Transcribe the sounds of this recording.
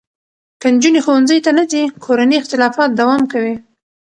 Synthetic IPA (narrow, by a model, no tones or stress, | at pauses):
kand͡ʒunexowanzəjt̪anad̪ikʰoɾaniɪxt̪ɪlɑfɑt̪̚d̪awɑmkawi